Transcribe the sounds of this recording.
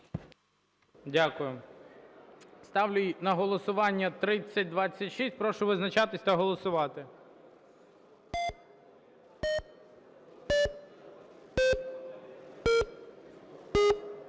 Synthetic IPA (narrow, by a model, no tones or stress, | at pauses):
dʲakʊjʊ | st̪ɑʋlʲʊjnɐɦɔlˠɔsʊʋɑnʲːɐt̪ɾɪt͡sʲːɐt̚ʲd̪ʋɑt͡sʲːɐtʲʃisʲt̚ʲpɾɔʃʊʋɪznɐt͡ʃɑt̪ɪsʲt̪ɐɦɔlˠɔsʊʋɑt̪ɪ